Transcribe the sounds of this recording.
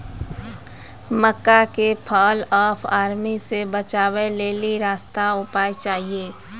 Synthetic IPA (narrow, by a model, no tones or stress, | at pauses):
məkːakepʰɔlɔːpʰaːɾmisebət͡ʃaːweleːliɾaːst̪aʊpaːjt͡ʃaːɦieː